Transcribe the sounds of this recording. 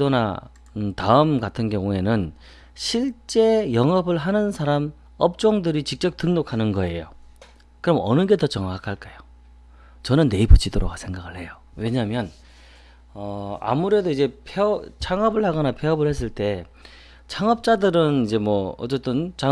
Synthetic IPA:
ona̰ | taɯmɡatʰɯnkjʌŋue̞nɯn | ɕʰiɭt͡ɕ͈e̞jʌŋʌbɯɭɦanɯnsʰaɾam | ʌp̚t͡ɕ͈oŋdɯɾit͡ɕik̚t͡ɕ͈ʌp̚t͈ɯŋnokʰanɯnɡʌe̞jo | kɯɾʌmʌnɯɡe̞tʌt͡ɕʌŋakʰaɭk͈ajo | t͡ɕʌnɯnːe̞ipot͡ɕʰidoɾoɡasʰe̞ŋɡaɡɯɭhe̞jo | we̞ɲaɦmjʌn | ʌa̰muɾe̞doid͡ʑe̞pʰeʌt͡ɕʰaŋʌbɯɭhaɡʌnapʰeʌbɯɭhe̞s͈ɯɭt͈e̞ | t͡ɕʰaŋʌp̚t͡ɕ͈adɯɾɯnid͡ʑe̞mwʌʌt͡ɕ͈et͈ɯnt͡ɕa

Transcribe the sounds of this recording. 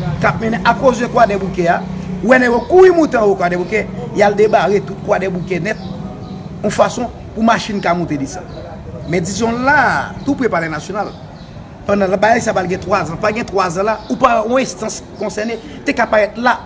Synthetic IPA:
kap̚mɛnɛ̃ʔakozdɛkwadɛbukɛawɛnɛjõkuimũt̪ãwokwadɛbukɛjald̪emaʁet̪ut̪̚kwadɛbukɛnɛt̪̚ | ɔ̃fasɔ̃ | pumaʃinkamũt̪edisa̰ | mɛd͡zisɔ̃lat̪upepalɛnasjonal | pɐ̃d̪ãl̃bajajsapalɡɛ̃t̪wazãpaɡɛ̃t̪wazãlaupaɔ̃ɛ̃st̪ɐ̃skɔ̃sɛʁne | t̪ekapaʁɛt̪la

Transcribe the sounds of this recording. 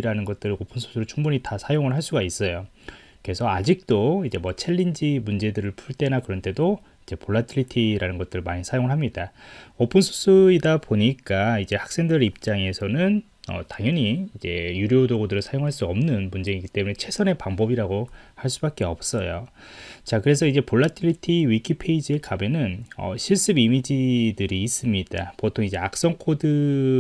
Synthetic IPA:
ɾanɯnɡʌt̚t͈ɯɾopʰɯnsʰo̥sʰuɾɯɭt͡ɕuŋbuɲitasʰajoŋɯɭɦaɭs͈uɡais͈ʌjoke̞sʰʌad͡ʑik̚t͈oid͡ʑe̞mwʌt͡ɕʰe̞ʎːind͡ʑimund͡ʑe̞dɯɾɯɭpʰuɭt͈e̞nakɯɾʌnt͈e̞do | id͡ʑe̞poɭːatʰɯɾitʰiɾanɯnɡʌt͈̚ɯɾɯɭmaɲisʰajoŋɯɭɦamɲidaʌpʰɯnsʰo̥sʰuidapoɲik͈aid͡ʑe̞hak̚s͈e̞ŋdʌɾip̚t͡ɕ͈aŋe̞sʰʌnɯn | ʌ̰taŋjʌɲiːd͡ʑe̞juɾjodoɡodɯɾɯɭsʰajoŋɦaɭs͈uʌmnɯnmund͡ʑeŋiɡit͈e̞mune̞t͡ɕʰe̞sʰʌne̞paŋbʌbiɾaɡohaɭs̬͈ubak͈̚e̞ʌp̚s͈ʌjo̰ | t͡ɕakɯɾe̞sʰʌid͡ʑe̞poɭːatʰɯɭitʰiwikʰipʰe̞id͡ʑie̞kamjʌnɯnʌ̰ɕʰiɭs͈ɯbimid͡ʑidɯɾiːs͈ɯmɲid̥a̰potʰoŋid͡ʑe̞ak̚s͈ʌŋkʰodɯ

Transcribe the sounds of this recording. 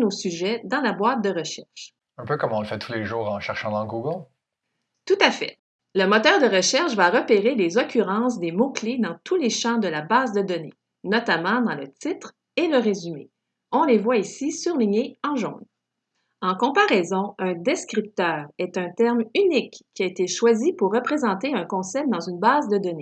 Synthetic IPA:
nosyʒɛd̪ɑ̃labwat̪̚d̪əʁəʃɛʁʃ | ɛ̃pøkɔmɔ̃ləfɛt̪ʰuleʒuːʁɑ̃ʃɛʁʃɑ̃d̪ɑ̃ɡuɡl | t̪ut̪afɛ̰ | ləmɔt̪œːʁd̪əʁəʃɛʁʃvaʁəpeʁelezɔkʲyʁɑ̃s̬d̪emokled̪ɑ̃t̪uleʃɑ̃d̪əlabaːzd̪əd̪ɔnḛ | nɔt̪amɑ̃d̪ɑ̃lət̪it̪χ | eləʁezymḛ | ɔ̃levwaisisyʁliɲeɑ̃ʒɔ̃d̪ | ɑ̃kɔ̃paʁɛzɔ̃ɛ̃d̪ɛskʲʁip̚t̪œːʁɛt̪ɛ̃t̪ɛʁmynikːiaet̪eʃwazipuʁːəpχezɑ̃t̪eɛ̃kɔ̃sɛp̚d̪ɑ̃zynbaːzd̪əd̪ɔne

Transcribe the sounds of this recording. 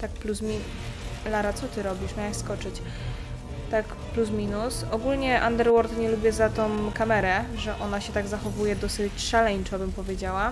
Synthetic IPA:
t̪akplusmʲi | laɾat̪sɔt̪ɘɾɔbʲiʂmʲawaɕskɔt͡ʂɘt͡ɕ | t̪ak | plus̬mʲinusɔɡulɲɛʔand̪ɛɾwɔɾt̪ɲɛlubʲjɛzat̪ɔ̃w̃kamɛɾɛʐɛʔɔnaɕɛt̪aɡzaxɔvujɛd̪ɔsɘt͡ɕʂalɛɲt͡ʂɔbɘmpɔvʲjed͡ʑawa

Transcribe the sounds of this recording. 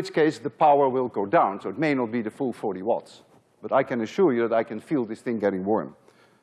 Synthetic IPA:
ɪt͡ʃkeɪsðəpʰaʊə˞wɪlˠɡoʊdãʊ̃nsoʊɨt̚meɪnət̚b̥iðɨfulˠfɔɹɾiwɑ̰ts | b̥ʌɾaɪkɨ̃nɨʃʊɹjɨðæɾaɪkɨ̃nfilˠðɪsθɪ̃ŋɡɛɾɪ̃ŋwɔɹm

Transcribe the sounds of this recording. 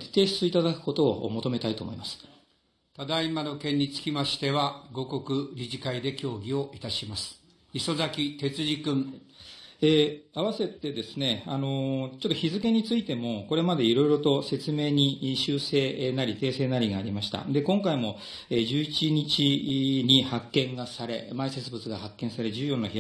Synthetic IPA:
t̪e̞ːsɨ̥t͡sɨit̪ad̪akɯ̥ko̞t̪o̞̰ːmo̞t̪o̞me̞t̪ait̪o̞ːmo̞ḭmasɨ̥ | t̪ad̪aimano̞kẽ̞ɲ̟ːit͡sɨ̥kʲimaɕi̥t̪e̞βaɡo̞ko̞kɯ̟ɾʲiʑikaid̪e̞kʲo̞ːɡʲio̞ʔit̪aɕimasɨ̥ | iso̞zakʲit̪e̞t͡sɨʑikɯ̟̃ŋ | eːaβ̞ase̞t̪ːe̞d̪e̞sɨne̞ano̞t͡ɕo̞t̪ːoçizɨke̞ɲ̟it͡sɨit̪e̞mo̞ko̞ɾe̞mad̪e̞iɾo̞iɾo̞t̪o̞se̞t͡sɨme̞ːɲ̟iɕɨːse̞ːnaɾʲit̪e̞ːse̞ːnaɾʲiɡaːɾʲimaɕi̥t̪a̰d̪e̞kõ̞ŋkaimo̞ | eːd͡ʑɨːit͡ɕiɲ̟it͡ɕiɲ̟ihakːẽ̞ŋɡasaɾe̞̰maise̞t͡sɨbɯt͡sɨɡahakːẽ̞ɰ̃saɾe̞d͡ʑɨːjo̞nːaçi

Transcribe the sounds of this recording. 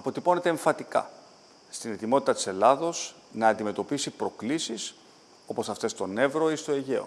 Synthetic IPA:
ɐpo̞t̪ipone̞t̪e̞ːɱfɐt̪ikɐ̰ | st̪ine̞t̪imo̞t̪i̥t̪ɐt̪ise̞lɐðo̞s | nɐːnd̪ime̞t̪o̞pisipɾo̞klisis | o̞po̞sɐft̪e̞st̪o̞ne̞vɾo̞ist̪o̞eʝe̞o̰

